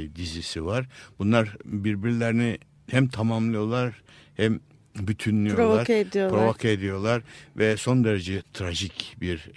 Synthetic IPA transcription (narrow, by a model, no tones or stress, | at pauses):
d̪izisivaɾbunlˠaɾbiɾbiɾilʲeɾini | hæmt̪ʰamamlˠɯjo̞lˠaɾ | hæm | byt̪ʰynlʲijoɾlvoaɾked̪ijopɾovokʰaed̪ijo̞lˠaɾvɛso̞nd̪eɾed͡ʒɛt̪ʰɾaʒicbiɾ